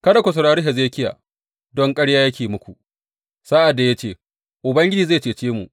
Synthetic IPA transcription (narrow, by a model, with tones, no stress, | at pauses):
kɐ˦da˨kʷʊ˨s̬ʊ˨ɽaː˦ɾi˦ɦɛ˨zeː˦kʲɪ˦ja̰ː˨ | dɔ˦ŋkʼɐ˦ɽjaː˦jɐ˦kʲeː˨mʊ˦kʷu˨ʔ | sa˦ʔa˨dːa˨ja˦t͡ʃeː˦˨ | ʔʊ˨bɐ˦ŋɡʲɪ˦d͡ʒiː˨zaː˦˨t͡ʃeː˨t͡ʃeː˦mṵ˨ʔ